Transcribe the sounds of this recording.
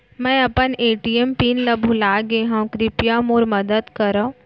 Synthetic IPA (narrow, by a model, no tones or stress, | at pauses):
mɛ̃ːɐpəneːʈiempiːnləbʱulaːɡẽɦãwkɾɪpjamoːɾmɐd̪əd̪kəɾõː